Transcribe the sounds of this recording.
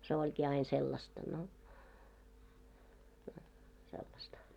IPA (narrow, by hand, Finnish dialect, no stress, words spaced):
se olʲkiː ɑin selːɑstɑ no no selːɑstɑ